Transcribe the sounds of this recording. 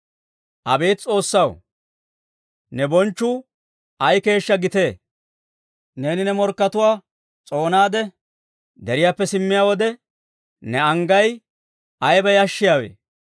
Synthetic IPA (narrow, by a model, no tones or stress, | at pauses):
ʔɐbe̞ːt̪t͡sʼo̞ːsːɐw̰ | nɛbɔnt͡ʃːʊ | ɐjke̞ːʃːɐɡɪt̪e̞ː | ne̞ːnɪnɛmɔɾkːɐt̪ʊwaː | t͡sʼo̞ːnaːd̪ɛ | d̪ɛɾɪjaːpːɛsɪmːɪjaːwɔd̪ɛ | nɛɐŋɡɐj | ʔɐjbɐjɐʃːɪjaːwḛː